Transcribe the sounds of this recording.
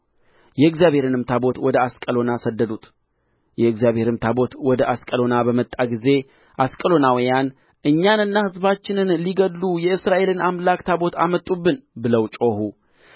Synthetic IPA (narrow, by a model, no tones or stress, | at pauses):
jɛɨɡzjaβhe̞ɾɨnɨmt̪ʰabo̞t̪wɔd̪əaskʼəlo̞nasəd̪ːəd̪ut̪ʰ | jɛɨɡzjaβhe̞ɾɨmt̪ʰabo̞t̪wɔd̪əʔaskʼəlo̞nabəmət̪ʼːaɡize̞ | ʔaskʼəlo̞nawijan | ʔɨɲːanɨnːahɨzbat͡ʃːɪnɨnliɡədːujɛɨsɾaʔe̞lɨnamlakt̪ʰabo̞t̪ʰa̰mət̪ʼːubːɨnbɨləwt͡ʃʼo̞hu